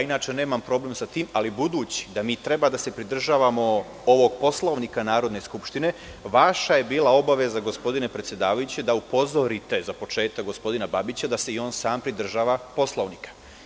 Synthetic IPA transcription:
jainaːt͡ʃe̞ne̞ːmampɾo̞ble̞msat̪iːmalibud̪uːt͡ɕi̥d̪amiːt̪ɾe̞bad̪ase̞pɾid̪r̩ʒaːʋamo̞ | o̞ʋo̞ɡ̚po̞slˠoːʋnikanaːɾo̞d̪ne̞skupʃt̪ine̞ | ʋaʃaje̞biːlˠao̞baʋe̞zaɡo̞spo̞d̪ine̞pɾet̪sje̞d̪aːʋajut͡ɕe̞d̪aupo̞zoɾit̪e̞zapo̞t͡ʃe̞ːt̪akɡo̞spo̞d̪inababit͡ɕad̪aseio̞ːnsaːmpɾid̪r̩ʒaːʋapo̞slˠo̞ːʋnikḁ

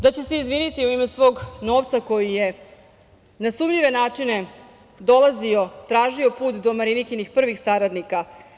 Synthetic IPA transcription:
d̪at͡ɕese̞izʋinit̪iuimesʋo̞ːɡno̞ːʋt̪sako̞jije | nasumʎiʋe̞naːt͡ʂine̞ | d̪o̞lˠazio̞t̪ɾaːʒio̞puːt̪d̪o̞maɾinikinixpr̩ʋixsaɾad̪nika

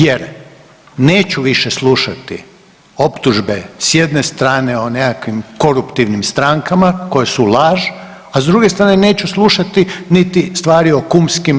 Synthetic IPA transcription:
jeɾ | ne̞ːt͡ɕuʋiʃeslˠuʃat̪ḭ | o̞pt̪uʒbesje̞d̪ne̞st̪ɾaːne̞onekakʋimko̞ɾupt̪iʋnimst̪ɾaŋkamako̞jesulˠaːʒ | azd̪ɾuɡe̞st̪ɾaːnene̞ːt͡ɕuslˠuʃat̪init̪ist̪ʋaːɾio̞kumskim

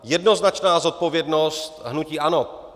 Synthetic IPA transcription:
jɛdno̞znat͡ʃnaːzo̞t̪̚po̞vjɛdnost̪ɦnuciːʔano

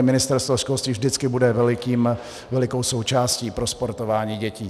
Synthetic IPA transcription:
mɪnɪst̪ɛɾst̪voʃkolst̪viːvʒdɪt͡skɪbudɛvɛlɪkiːm | vɛlɪko̞wso̞wt͡ʃaːsciːpɾospo̞ɾt̪o̞vaːɲiːɟɛciː

